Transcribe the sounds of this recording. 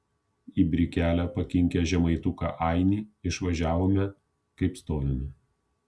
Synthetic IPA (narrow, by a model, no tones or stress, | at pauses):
iːbʲɾʲɪkʲæːlʲæpɐkʲɪŋʲkʲɛʒʲɛmɐɪt̪ʊkɑ̰ʔɐɪnʲiːɪʃʋɐʒʲæːʋoːmʲɛ | kɐɪpst̪oːjomʲɪ